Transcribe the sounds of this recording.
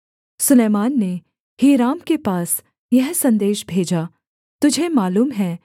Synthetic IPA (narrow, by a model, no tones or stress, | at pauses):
sʊleːmaːnːe | hiːɾaːmkepaːs | jɛɦsɐ̃nd̪eːʃbʱeːd͡ʒa | t̪ʊd͡ʒʱemaːluːmɦɛː